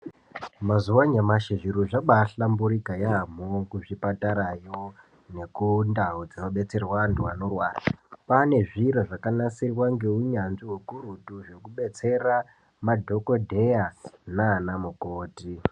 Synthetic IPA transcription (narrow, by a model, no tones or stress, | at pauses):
mazuwaɲamaʃeʐiɾuʐaɓaɬambuɾikajam̤okuʐipataɾajo | ne̞kundaɦud͡zaʋaɓe̞t͡se̞rwanduanorwarapane̞ʐiɾoʐakanasirwaŋɡe̞uɲanʐiɦokuɾutuʐe̞kuɓe̞t͡se̞ra | madʱo̞ko̞dʱe̞janaːnamukoːti